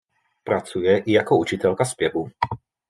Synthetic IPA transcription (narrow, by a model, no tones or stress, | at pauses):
pɾat͡sujɛʔijakɔut͡ʃɪt̪ɛlkaspjɛbu